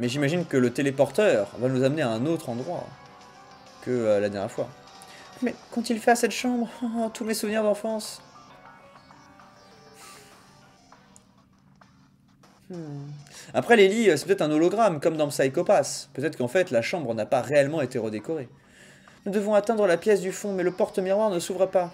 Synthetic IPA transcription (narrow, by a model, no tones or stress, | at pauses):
mɛʒimaʒinkələt̪elepɔʁt̪œːʁvanuzamneaɛ̃not̪χɑ̃d̪ʁwa̰ | kəølad̪ɛʁjɛʁfwa̰ | mɛkɑ̃t̪ilfɛasɛt̪ʃɑ̃bʁt̪umɛsuvniʁd̪ɑ̃fɑ̃s | apχɛleliøsɛpøt̪ɛt̪χɛ̃nolɔɡʁamkɔmd̪ɑ̃sajkɔpaspøt̪ɛt̪χəkɑ̃fɛt̪laʃɑ̃bʁnapaʁeɛlmɑ̃et̪eʁəd̪ekɔʁe | nud̪əvɔ̃at̪ɛ̃d̪ʁəlapjɛsd̪yfɔ̃mɛləpɔʁt̪miʁwaʁnəsuvʁɛpa